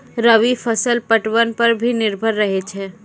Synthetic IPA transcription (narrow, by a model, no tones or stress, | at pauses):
ɾəʋifʰəsəlpəʈʋənpɐɾbʱinɪɾbʱəɾːɐɦet͡ʃʰeː